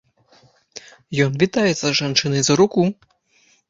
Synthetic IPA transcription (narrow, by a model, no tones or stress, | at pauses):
jɔnvʲit̪ajɛt̪sɐʐant͡ʂɨnɐjzɐɾuku